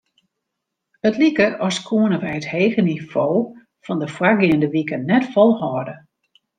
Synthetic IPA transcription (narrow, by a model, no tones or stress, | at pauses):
ətlikəɔskʰuənəʋɛjətheːɣəniv̥oː | fɔndəfwaɡɪəndəʋikənɛtfɔlˠhɔːdə